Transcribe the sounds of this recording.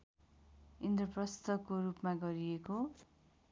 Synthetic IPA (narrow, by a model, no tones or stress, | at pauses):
ind̪rʌprʌst̪ʰʌkːoɾupmaɡʌɾieko